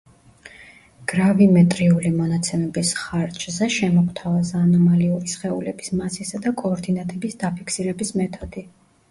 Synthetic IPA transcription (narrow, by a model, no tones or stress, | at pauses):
ɡ̥ɾavimɛt̪ʼɾiulimɔnat̪sʰɛmɛbisχaɾt͡ʃʰʼzɛʃɛmɔkʰt̪ʰavazaːnɔmaliuɾisχɛulɛbismasisad̪akʼɔːɾd̪inat̪ʼɛbisd̪apʰikʰsiɾɛbismɛt̪ʰɔd̪̥i